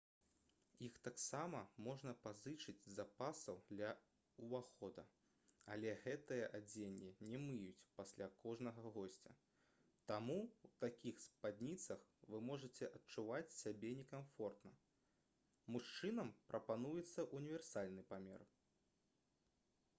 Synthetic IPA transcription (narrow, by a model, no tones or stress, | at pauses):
jixt̪aksamɐmɔʐnɐpazɨt͡ʂɨd͡zʲzapasɐwd̪lʲɐ | uvaxɔd̪ɐ | alʲɛɣɛt̪ɨjɐʔad͡zʲenʲːinʲɛmɨjut͡sʲpasʲlʲakʰɔʐnɐɣɐɣɔsʲt͡sʲɐ̰ | t̪amuwt̪akʲʰixspad̪ʲnʲit̪sɐxvɨmɔʐɐt͡sʲɛʔɐtt͡ʂuvat͡sʲsʲabʲɛnʲɛkamfɔrt̪nɐ | muʂt͡ʂɨnɐmpɾʔɐpanujɛt̪sːɐʔunʲivʲɛrsalʲnɨpamʲɛ̰r